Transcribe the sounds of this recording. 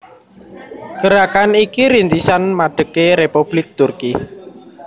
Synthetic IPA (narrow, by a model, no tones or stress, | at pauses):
ɡ̥əɾakanikiɾint̪isanmaɖ̥ə̤keɾepub̥lɪk̚t̪urki